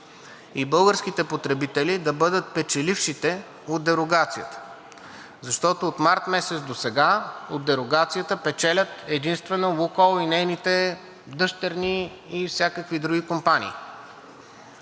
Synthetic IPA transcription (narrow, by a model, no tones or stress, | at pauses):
ibɤlˠɡəɾsk̟it̪ɛpot̪ɾɛbit̪ɛlid̪ɐbɤd̪ət̪̚pɛt͡ʃɛlifʃit̪ɛ | od̪d̪ɛɾoɡat̪sijə̰t̪ə̥ | zɐʃt̪ɔt̪oːt̪maɾt̪mɛsɛt̪sd̪osɛɡaod̪ːɛɾoɡat̪sijət̪əpɛt͡ʃɛlʲət̪ɛd̪inst̪vɛnolokolˠinɛjnit̪ɛ | d̪ɤʃt̪ɛɾniː | fsʲjakəkvid̪ɾuɡʲikompanḭː